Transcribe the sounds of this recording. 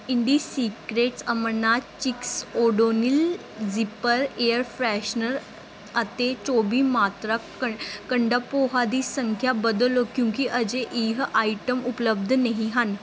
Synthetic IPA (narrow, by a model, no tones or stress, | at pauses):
iɳɖisikɾeʈsəmənːat͡ɕiksoɖonil | d͡zipəɾejəɾfɾæɕnəɾ | ət̪et͡ɕobiːmat̪ɾa | əkəɳɖəpoɦad̪iːsəŋkʰjabəd̪lokjũŋkiʔəd͡ʑeʔiɦəʔaiʈəmupləb̚d̪ʱneɦĩɦan